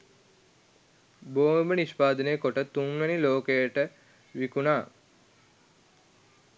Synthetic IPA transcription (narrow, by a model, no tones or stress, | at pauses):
boːməniʃpaːd̪ənejəkoʈət̪uŋʋeniloːkejəʈə | ʋikunaː